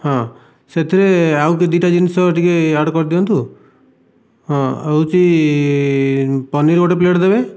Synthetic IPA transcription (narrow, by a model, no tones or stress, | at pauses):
ɦɔ̃ | set̪ʰiɾeawk̬ed̪iʈad͡ʒinisɔʈikeaɽkɔɾd̪iɔnt̪u | ɦɔ̃ewt͡ʃʰi | pɔniɾɡoʈep̬leʈd̪ebe